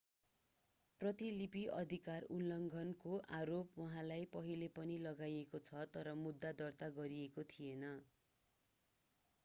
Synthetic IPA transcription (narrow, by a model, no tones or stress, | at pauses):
prʌt̪ilipiʔʌ̰d̪ʱikarullʌŋɡʱʌnkoʔaɾopwʌɦãlajpʌɦilepʌnilʌɡajekot͡sʰʌt̪ʌɾʌmud̪ːad̪ʌrt̪aɡʌɾiekot̪ʰijenʌ